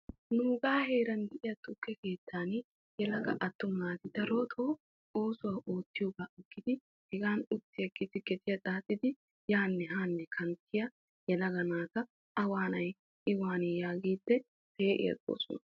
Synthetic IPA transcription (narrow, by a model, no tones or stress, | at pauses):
nʊːɡaːhe̞ːɾɐnd̪ɛʔɪjɐt̪ʊkːɛke̞ːt̪ːaːn | jɛlɐɡɐ̰ʔɐt̪ːʊmːaːt̪ɪt̪ɐɾoːt̪ʰo | oːsʊwaːʔo̞ːt̪ːɪjoːɡaːʔɪkːɪd̪ɪ | hɛɡaːnʊt̪ːɪjɐkːɪt̪ɪtkɛt̪ɪjɐt̪ʼaːsʼɪd̪ɪ | jaːnːɛhaːnːɛkʰɐnt̪ʰːɪjɐ | jɛlɐɡɐnaːkɐ | ɐwaːnɐj | ɪwaːnɛjaːɡiːt̪ːɛ | pe̞ːʔɪ̰jɐ̰sʼo̰ːsɔ̰nɐ